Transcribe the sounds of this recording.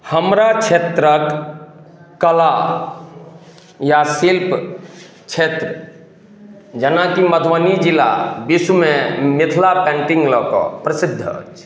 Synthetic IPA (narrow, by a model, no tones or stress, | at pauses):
həmɾat͡ʃʰet̪ɾək | kːəla | jasilp | t͡ʃʰet̪ɾ | d͡ʒənakiməd̪ʱʋanid͡ʒila̰biswmẽmɪt̪ʰlapɛ̃ɳʈĩŋɡlɔkɔ̰pɾəsid̪ʱːət͡ʃʰ